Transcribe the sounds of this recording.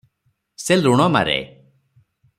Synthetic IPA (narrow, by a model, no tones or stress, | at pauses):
seluɽ̃ɔma̰ɾḛ